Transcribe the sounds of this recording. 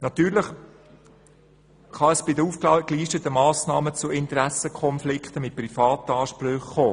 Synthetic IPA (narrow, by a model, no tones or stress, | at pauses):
nɑt̪yːɾləχ | χɑəsb̥ɪd̪əuːfkkliːʃtətəmɑːsnɑːmət͡suɪnt̪ɾæsəkʰχɔnflɪkχt̪əmɪt̚prifɑːt̪əɑːʃpɾʏχːoː